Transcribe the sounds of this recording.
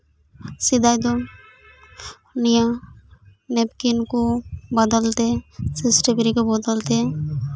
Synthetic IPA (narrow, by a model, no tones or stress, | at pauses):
sɪd̪ajd̪o | nija | nepkinkobəd̪əlt̪esɪsʈebɾikobəd̪əlt̪e